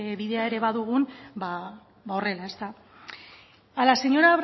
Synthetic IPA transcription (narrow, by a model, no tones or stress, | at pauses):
βiðe̞ae̞ɾe̞βaðuɣ̞unba | bao̞re̞lae̞st̪a | alase̞ɲo̞ɾaβ